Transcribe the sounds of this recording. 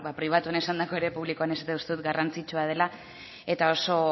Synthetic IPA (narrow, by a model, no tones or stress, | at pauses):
βapɾiβ̞at̪uanesand̪ako̞e̞ɾe̞puβlikoane̞sat̪eust̪e̞ðut̪ɡarant͡sit͡ʃuað̞e̞la | e̞t̪ao̞so̞